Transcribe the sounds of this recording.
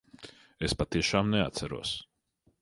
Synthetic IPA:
espat̪iɛʃaːmneat̪sæɾṵɔs

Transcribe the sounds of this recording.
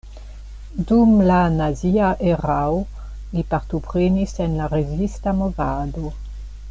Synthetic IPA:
dumlanaziaʔeʁawo | lipaɾtopʁenisenlaɾezistamovado

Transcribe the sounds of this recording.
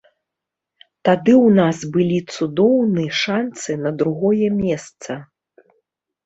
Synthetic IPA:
t̪ad̪ɨwnasbɨlʲit̪sud̪ɔwnɨjʂant̪sɨnɐd̪ɾuɣɔjɛmʲɛst̪sɐ

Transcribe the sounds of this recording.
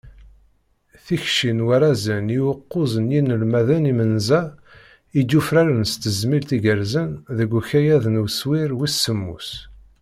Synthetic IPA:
θiçʃinwæɾæzəniwəqːʊzənjinːəlmæðənimənzæ | id̪ːufɾaɾənst̪əzmilt̪iɡəɾzənðəɡʷçæjæðənwswiɾwisːəmːṵs

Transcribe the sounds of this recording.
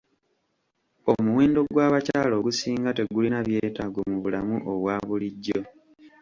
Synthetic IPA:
omuwe̞ːndo̞ɡwaːβacaːlo̞ːɡusiːŋɡate̞ɡulinaβje̞ːtaɡomuβulamuʔo̞βwaːβuliɟːo̞

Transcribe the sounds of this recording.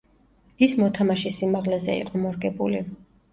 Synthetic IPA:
ismɔt̪ʰamaʃisimaʁlɛzɛ̰ḭqʼɔmɔɾɡɛbṵli

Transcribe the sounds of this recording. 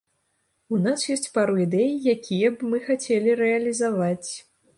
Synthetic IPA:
unasjɔsʲt͡sʲpaɾuid̪ɛjjakʲijɐbmɨxat͡sʲelʲiɾɛɐlʲizavat͡sʲ

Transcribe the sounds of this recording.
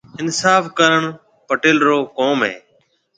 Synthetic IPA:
ɪnsaːfkəɾəɳ | pəʈɪːlɾoːkoːmɦḛː

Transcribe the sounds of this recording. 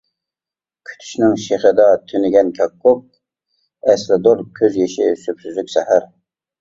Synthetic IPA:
kʲʰy̥t̪ʰy̥ʃnɪŋʃeχəd̪ɑt̪ʰynɪɡʲɛnkʲʰɑkːʊp̚ | ɛslɪd̪oɾkʲʰøzjeʃɪsøpsyzlykʲsɛhæɾ

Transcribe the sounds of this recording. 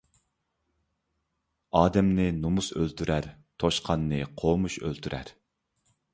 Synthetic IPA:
ɑːd̪ɛmnɪnumusø̰lt̪ʰyɾʔæɾ | t̪ʰoʃqʰɑnːɨqʰomuʃø̰lt̪ʰyɾʔæ̰ɾ

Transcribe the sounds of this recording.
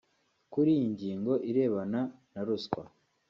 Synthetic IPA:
kuɾijiɲɟiːŋɡo̞ʔiɾe̞ːβananaɾuskwa̰

